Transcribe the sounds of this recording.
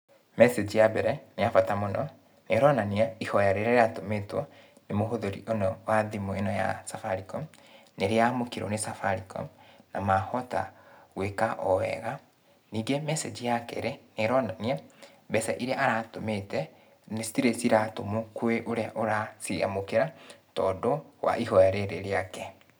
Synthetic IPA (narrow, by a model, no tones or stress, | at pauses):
mɛsed͡ʒijabɛɾɛneafatamonɔ | neɾɔnaniaihɔjaɾeɾɛɾeatometwɔ | nemoɦoðoɾḭʔonɔwaðimoenɔja̰safaɾikɔm | neɾeamokeɾo̰nesafaɾikɔ̰namahɔta̰ɣwekaʔɔwɛ̰ɣa | niːŋɡemɛsed͡ʒijakɛ̰ɾeneɾɔnɔnia | bɛsɛʔiɾeaʔaɾatometɛ | nesi̥tiɾesiɾatomokweʔoɾeaʔoɾasiɣa̰mokeɾatɔːdowa̰ʔihɔjaɾeɾeɾeakɛ